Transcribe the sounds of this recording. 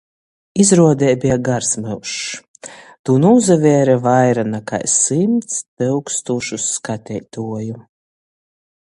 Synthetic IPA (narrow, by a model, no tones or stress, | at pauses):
izɾuɔd̪ɛjbʲiɛɡaɾsmɨwʃ | t̪uːnuːzavʲɛɾɛvajɾanaka̰jsimt̪spɨwkst̪uːʃusːkat̪ʲɛjt̪uɔju